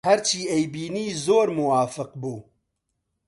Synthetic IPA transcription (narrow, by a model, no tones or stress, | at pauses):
hɛɾt͡ʃʰiːejbiːniːzoːɾmʊwaːfɨq̚buː